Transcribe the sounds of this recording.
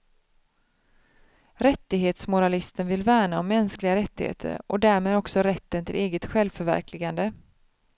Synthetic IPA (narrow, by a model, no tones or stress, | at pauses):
ɾɛt̪ːɪɡɦeːt̪smʊɾalɪst̪ənvɪlvæːɳaɔmːɛnsklɪɡaɾɛt̪ːɪhḛːt̪ʰə̰ɾʔɔd̪æːɾmeːd̪ɔksɔɾɛt̪ːənt̪ʰɪ̰leːɡət̪ɧɛlvfœɾvæ̰ɾklɪɡand̪ə